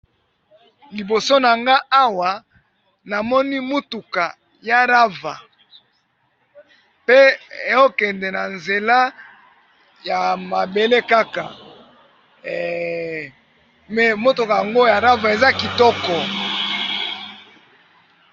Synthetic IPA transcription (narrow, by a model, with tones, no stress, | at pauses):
li˨bo˨so˦na˨ŋɡa˦ʔa˦wa˨ | na˨mɔ˦ni˦mo˦tu˨ka˨ | ja˦ʁa˦va̰˨ | pe˦e˨o˦kɛ˨ndɛ˨na˨nze˨la˦ | ja˨ma˨be˨le˦ka˦ka̰˨ | mɛ˨mo˦tu˨ka˨ja˨ŋɡo˦ja˨ɾa˦va˨e˨za˦ki˨tɔ˦kɔ˨